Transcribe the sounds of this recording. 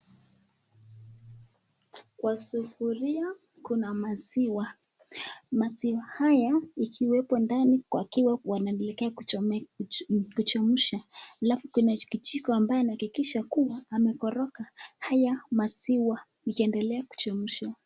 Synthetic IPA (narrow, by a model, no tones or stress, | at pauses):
kwasufuɾia | kunamasiwa | masiwahajaikʰiwɛpɔndanikwakiwawanalɛkɛa | kut͡ʃɔmuʃahalafukunakit͡ʃikɔambajɛinahakikiʃakuwaːmɛkɔɾɔkahajamasiwa | ikiɛndɛlɛaku̥t͡ʃɔmuʃa